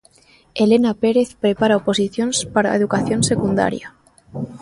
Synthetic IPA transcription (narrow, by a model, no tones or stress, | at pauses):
elenapeɾeθpɾepaɾaoposiθjonspaɾa̰eðukaθjonsekund̪a̰ɾja